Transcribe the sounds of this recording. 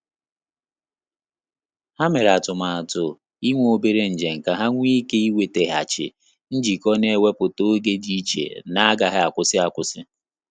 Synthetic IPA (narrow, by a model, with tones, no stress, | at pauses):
ha˦me˨ɾa˨tʊ˨ma˨a˨tʊ˨ | i˦ŋʷ˦o˦be˦ɾe˨n̩˨d͡ʒe˨ŋ̩˨ka˨ɦa˦ŋʷ˦i˦ke˦i˦we˨te˨ɦa˨t͡ʃɪ̰˨ | n̩˦d͡ʒi˨kɔ˦ne˨e˦˨we˦pʊ˨to˦ɡe˦di˦t͡ʃḛ˨na˦a˦ɡa˨ɦɪ˦a˨kʷʊ˨sɪ˦a˨kʷʊ˨sɪ˦